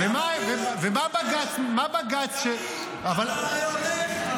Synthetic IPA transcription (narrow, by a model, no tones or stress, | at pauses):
vemavevemabaɡat͡ʃmabaɡat͡ʃt͡ʃe | aval